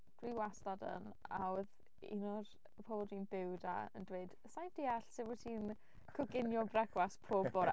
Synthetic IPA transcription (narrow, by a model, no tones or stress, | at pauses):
d̥wiwastadə̰n | a̰wɛð | ḭnɔr | əpʰɔbɔlˠdiːnbɪwda̰ə̰ndweɨd̥ | sajnd̥iaɬsɪwɛtʰin | kʰɔɡɪnjɔbrɛɡwaspʰoːbɔɾ